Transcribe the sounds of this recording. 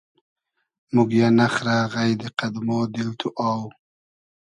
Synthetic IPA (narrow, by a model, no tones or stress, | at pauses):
muɡjanaχɾaɣajd̪eqad̪mod̪ɪlt̪ʰuʔaw